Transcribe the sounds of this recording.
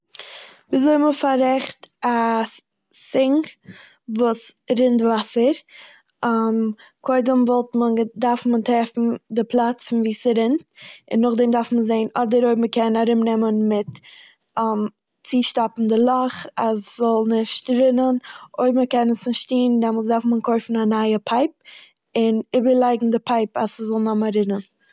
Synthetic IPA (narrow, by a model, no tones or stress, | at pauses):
biːzoɪməfaɾɛχta | sɪŋk | vuːsɾɪntvasəɾ | amkʰoɪdəmvɔlˠtmədaɾfməntɾɛfn̩dɪplˠat͡sfɪnviːsɪɾɪnt̚ɪnːʊχdɛmdaɾfməzeɪnɔdəɾoɪbməkʰɛnaɾɪmnɛmənmɪt | am | t͡siːʃtapm̩dɪlˠɔχaszɔlˠnɪʃtɾɪnənoɪbməkɛnəsɪʃtiːndɛmɔlˠs̬daɾfmənkʰoʏfn̩anaɪəpʰaɪp̚ | ɪnɪbəɾlˠaɪɡŋ̩dɪpʰaɪpa̰səzɔlˠnamaɾɪnən